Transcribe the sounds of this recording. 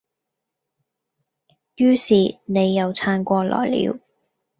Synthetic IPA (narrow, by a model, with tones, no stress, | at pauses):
jyː˥siː˨ne˨˧jːɐ˨˧wt͡sʰaː˧nkʷɔː˧lɔ̰ː˨˩jlḭː˨˧˥w